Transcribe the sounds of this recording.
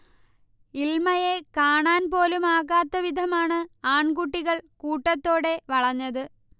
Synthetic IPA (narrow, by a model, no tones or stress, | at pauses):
ilmɐjekaːɳaːnpo̞ːlumaːɣaːt̪ːɐʋid̪ʱɐmaːɳɨaːɳɡuʈːiɣɐɭkuːʈːɐt̪ːo̞ːɽe̞ʋɐɭɐɲːɐðɨ